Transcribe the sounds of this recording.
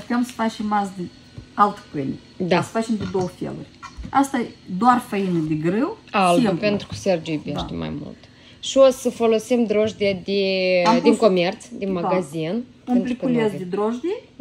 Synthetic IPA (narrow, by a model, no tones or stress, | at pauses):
t̪ʲemsə̥fat͡ʃemazd̪ɨ | alt̪pɨnʲi | d̪asə̥fat͡ʃemd̪ɪd̪owfʲḛlṵrʲast̪ad̪oarfɐinɨd̪ɪɡɾɨwalt̪upent̪ɾukə̥serd͡ʒujbʲeʃt̪ema̰jmṵlt̪ | ʃiosəfolosimd̪ɾoʒd̪iad̪ed̪iŋkomert̪sd̪inmaɡazinpunt̪ɾiukəulʲezd̪ʲɪd̪ɾoʒd̪ie